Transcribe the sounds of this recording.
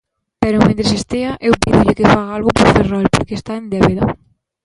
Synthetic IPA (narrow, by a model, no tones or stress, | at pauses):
pɛɾomẽnt̪ɾesest̪eɐʔewpiðʊʎɪkefaɣaalɣʊpoɾferɔlpo̰ɾkeːst̪aend̪ɛβeðɐ